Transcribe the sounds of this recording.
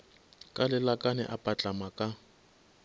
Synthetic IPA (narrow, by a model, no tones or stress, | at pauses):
kʼalɪlakʼanɛ̰ʔapʼat͡ɬʼamakʼa